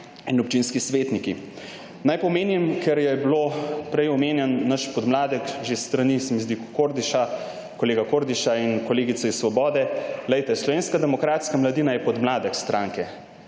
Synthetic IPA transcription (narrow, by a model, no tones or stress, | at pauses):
inɔpt͡ʃinskisʋeːt̪niki | najpɔmeːnimkʰɛɾjɛbloːpɾɛjɔmeːnjɛnːɐʃpɔd̪mlaːd̪ɛkʒest̪ɾɐnisɛmizd̪ikkoɾd̪iʃa | koleːɡakoɾd̪iʃainkoleːɡit̪sɛisːʋɔbɔːd̪ɛlɛjt̪ɛslɔʋeːnskad̪ɛmɔkɾaːt̪skamlɐd̪inajɛpɔd̪mlaːd̪ɛkst̪ɾaːŋkɛ